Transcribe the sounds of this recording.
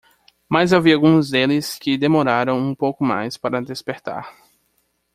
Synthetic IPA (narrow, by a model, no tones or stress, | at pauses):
mazaviawɡũzd̪elɪskɪd̪emoɾaɾɐ̃w̃ũpowkʊma̰jspaɾɐd̪espeɾt̪a̰ɾ